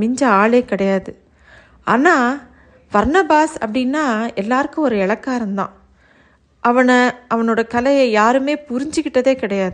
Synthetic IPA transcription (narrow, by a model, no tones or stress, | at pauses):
ɪɲd͡ʒɐaːɭeːkɪɽɐjaːðɯ | aːnaː | bɐɾnɐbaːsɐpːɐɽɪnːaːɛlːaːɾɯkːɯ̃ɔɾɯɛɭɐkːaːɾɐnd̪ã̰ː | ʔɐʋɐnɐʔɐʋɐnoːɽɐkɐlɐjɐjaːɾɯmeːpʊɾɪɲd͡ʒɯkːɪʈːɐðeːkɪɽɐjaːðɯ